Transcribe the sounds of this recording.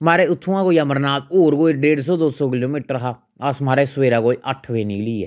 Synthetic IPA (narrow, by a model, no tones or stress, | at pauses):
maːɾeːʊt̪ʰːũãːkoːiaːməɾnaːt̪oːɾɡoːiɖeːɽsɔːd̪oːsoːkɪloːmiːʈəɾɦaː | əsmaːɾeːsʋeːɾãːkoːiʔəʈʰʋeːniːkliːɛ̰ː